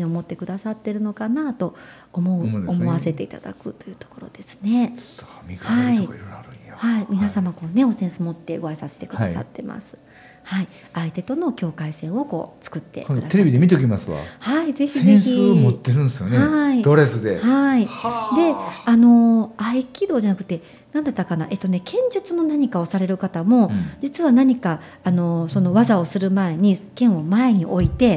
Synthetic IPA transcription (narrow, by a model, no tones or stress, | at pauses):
ɲiomo̞t̪ːe̞kɯ̟d̪asat̪ːe̞ɾɯ̟no̞kanat̪o̞ː | mo̞ɯomo̞βatse̞t̪e̞it̪a̰d̪a̰kɯ̟t̪o̞jɯ̟ːt̪o̞̥ko̞ɾo̞̰d̪̥e̞sɨ̥ne̞̥t̪ːmʲikhaiɾaɾɯahaimʲinasamako̞ːne̞o̞sẽ̞ɰ̃sɨmo̞t̪ːe̞ɡo̞aisase̥t̪e̞kɯ̟asa̰t̪ːe̞mʔa̰sɨ̥ | hai | ait̪e̞t̪o̞no̞kʲo̞ːkaisẽ̞ɰ̃o̞ko̞̰ːt͡sɨ̥kɯ̟t̪ːḛkkd̪at̪eɾebid̪emʲit̪̬eokʲimasɨβa̰haize̞çsiezẽçsiɨːmot̪ːe̞ɾɯ̟nd̪esɨjoneaid̪oɾesɨd̪e̞haid̪e̞ano̞aikʲid̪o̞ːʑanakɯ̟̥t̪ːe̞ | nãnd̪at̪ːakana̰ʔe̞t̪ːone̞kẽ̞ɲ̟d͡ʑɨt͡sɨno̞naɲ̟ikao̞saɾe̞ɾɯ̟kat̪amo̞d͡ʑit͡sɨβanaɲ̟ikaː | no̞so̞no̞βazao̞sɨɾɯ̟mae̞ɲ̟ikẽ̞ɰ̃o̞mae̞ɲ̟iʔo̞it̪e̞